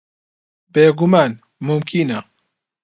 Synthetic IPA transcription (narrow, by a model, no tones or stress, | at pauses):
beːɡumaːn | mumkʰinɐ